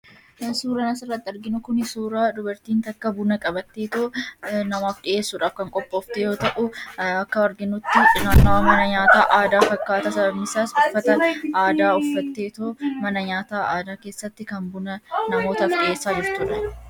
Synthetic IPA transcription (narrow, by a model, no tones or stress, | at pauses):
suːɾɐnɐsɪrːɐt̪ːɪɪɾɡɪnʊkʊnɪsuːɾaːd̪ʊbɐɾt̪iːnt̪ɐkːɐbʊnɐkʼɐbɐt̪ːeːt̪oːnɐmaːfᶑɪʔe̞ːsːʊᶑaːfkɐŋkʼɔpʼːoːft̪ejo̞ːt̪ɐʔʊɐkːɐɔɾɡɪnʊt̪ːɪᶑʼɪnaːnːɐwɐmɐnɐɲaːt̪aːʔaːd̪aːfɐkːaːt̪ɐsɐbɐbnɪsaːsbʊfːɐt̪ɐnaːd̪aːʊfːɐt̪ːe̞ːt̪oːmɐnɐɲaːt̪aːaːd̪aːke̞ːsːɐt̪ːɪkɐnbʊnɐnɐmoːt̪ɐfɗɪʔe̞ːsːaːd͡ʒɪɾt̪ʊᶑɐ̥